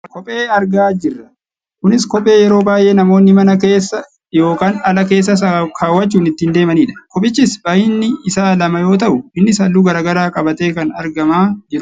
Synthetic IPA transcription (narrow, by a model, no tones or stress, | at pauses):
kɔpʼe̞ːɐɾɡaːd͡ʒɪrːɐ | kʊnɪskɔpʼe̞ːjɛɾo̞ːbaːjʔe̞ːnɐmo̞ːnːɪmɐnɐke̞ːsːɐ | jo̞ːkaːnɐlɐke̞ːs̬ːɐkʰaːwːɐt͡ʃːuːnɪt̪ːɪnd̪e̞ːmɐniːᶑɐ̥kɔpʼɪt͡ʃːɪsbaːjɪnːɪɪsaːlɐmɐjo̞ːt̪̬ɐʔʊɪnːɪsɐlːuːɡɐɾaːɡɐɾaːkʼɐbɐt̪e̞ːkɐnɐɾɡɐmaːd͡ʒɪɾʊ